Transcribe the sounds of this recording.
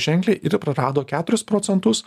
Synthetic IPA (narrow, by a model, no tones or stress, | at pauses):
ʒʲɛŋʲklʲeːʔɪɾpɾɐɾɑːd̪oːkʲæːt̪ʊɾʲʊspɾɔːt̪ʲɛnt̪ʊs